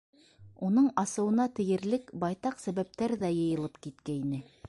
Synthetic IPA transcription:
unɤɴɑsɤ̆wɤ̆nɑt̪ɘ̆jɘ̆ɾlɘkbɑjt̪ɑqsæβæp̚t̪æɾðæjɤ̆jɤ̆lˠɤpkit̪kæinɘ

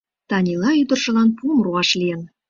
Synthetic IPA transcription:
t̪ɑnʲilˠɑyd̪ə̆rʒə̆lˠɑnpumruɑʃlʲien

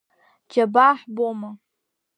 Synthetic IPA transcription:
d͡ʒabaħboma

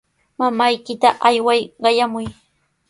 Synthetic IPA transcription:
mamajkɪt̪aʔajwajɢɑjamʊj

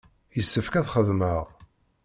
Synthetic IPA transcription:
jəsːəfkæðχəðməʁ

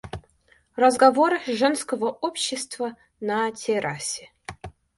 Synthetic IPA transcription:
rəzɡɐvoɾɨʐɛnskəvəopɕːɪst̪və | nɐtʲʰɪɾʔasʲɪ

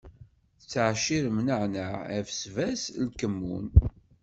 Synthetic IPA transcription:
θət͡sːʕʃiɾəmnəʕnəʕæfsvæslkəmːṵn

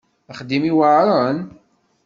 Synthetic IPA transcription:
aχd̪imiwaʕɾˤən

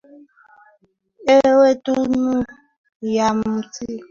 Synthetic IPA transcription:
ewetunu | jammuti

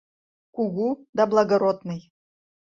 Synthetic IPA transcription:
kuɣud̪ablˠaɡoɾod̪nɨj

